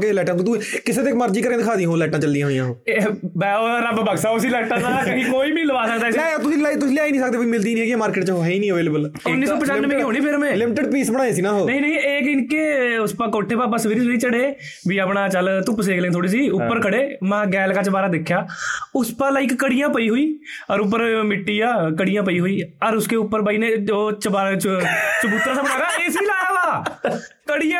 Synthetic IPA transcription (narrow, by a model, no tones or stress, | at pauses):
kelɛːʈə̃t̪ːt̪ukɪseːt̪eːkməɾd͡ʒiːkəɾẽːd̪ɪkʰaːd̪ijãɦoːlɛːʈãːt͡ʃəld̪ijãːɦoːijãːɦoːebɛːoːɾəbbəɡsaːʊsiːlɛːʈãːnakãːkikoːiːmĩːləʋaːsəkd̪aːsɛ̃t̪ʊsĩːlaːit̪ʊsːlɪjaːiːnĩːsəkd̪eːoiːmɪld̪iːnĩːɛːkiːmaːɾkɪːʈt͡ʃoiːnĩːəʋeːlebəl | ʊnːiːssɔːpət͡ʃənːmẽːkɦoːñiːpʰɪɾmɛ̃ːlɪmɪʈəɖpiːsbəɽaːeːsiːnãːɦoːnəɦĩːnəɦĩːeːkɪnkeːʊspakoːʈʰːeːpaːpasəʋiːɾiːsʋiːɾiːt͡ʃəɽeː | ʋiːəpɳaːt͡ʃəlt̪ʊpseːklẽːt̪ʰoːɽiːs̬iːʊpːəɾkʰəɽeːmɛ̃ːɡɛːlkaːt͡ʃəbaːɾaːd̪ekʰːjaːʊspəlaːikːəɽijãːpəiːɦoːiːəɾʊp̬ːəɾmɪʈːiːjaːkəɽijãːp̬əiːɦoːiːəɾʊskeːʊpːəɾbəːiːneːoːt͡ʃəbaːt͡ʃt͡ʃəbuːt̪ɾaːsabəɽaːɡaːeːsiːlaːjaːʋaː | kəɽijã